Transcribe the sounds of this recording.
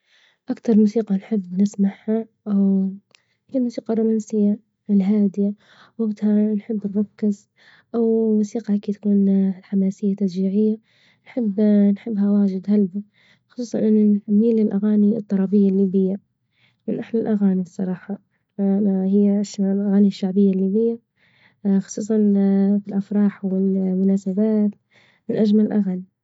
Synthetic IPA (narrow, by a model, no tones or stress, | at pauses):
ʔakt̪ɑɾˤmuːsiːqɑnħɪbːnɪsmaʕhaʔaw | hijalmuːsiːqɑrˤuːmaːnsɪjːa | ɪlɦaːd̪ɪja | waɡt̪hanħɪbːnɾˤɑkːɪz | ʔawmusiːqɑʔakiːt̪kuːnlħamaːsɪjːat̪ːasd͡ʒiːʕɪjːa | nħɪbːnħɪbːɦawaːd͡ʒɪd̪halbi | xʊ̥sˤuːsˤɑnʔɪnːanħamːiːlɪlʔaɣaːnit̪ˤːɑɾˤɑbɪjːalːiːbɪjːa | mɪnʔaħlalʔaɣaːnisˤːɑ̰ɾˤɑːħɑ | hɪjːaʔʃalʔaɣaːniʃːaʕbɪjːalːiːbɪjːa | xʊ̥sˤuːsˤɑnfilʔafɾˤɑːħwɪlmʊnaːsabaːt̪ | mɪnʔad͡ʒmalɪlʔaɣani